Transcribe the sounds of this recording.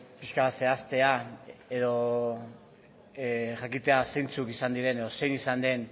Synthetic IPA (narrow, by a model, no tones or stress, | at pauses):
piʃkase̞ast̪e̞aeðo̞ | ʝakit̪e̞asejnt͡sukisand̪iɾe̞ne̞ð̞o̞se̞jnisand̪e̞n